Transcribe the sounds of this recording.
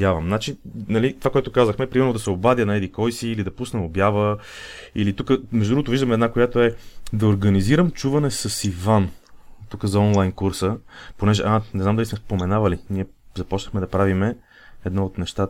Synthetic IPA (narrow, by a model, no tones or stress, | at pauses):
javɐmnat͡ʃinɐlit̪ovakoɛt̪okazəxmɛpɾimɛɾnod̪ɐsɛobad̪jənɐɛd̪ikɔjsiːlid̪ɐpusnɛobjavə | ilit̪ukəmɛʒd̪ɾuɡot̪oviʒd̪əmɛd̪nakojat̪oɛd̪ɐoɾɡəniziɾəmt͡ʃuvɐnɛsɐsivan | t̪ukəzɐɔnlˠajnkuɾsəponɛʒɛ̰ʔanɛznamd̪ɐlismɛspomɛnavəliniɛzɐpɔt͡ʃnəxmɛd̪ɐpɾavimɛ | ɛd̪nɔot̪nɛʃt̪at̪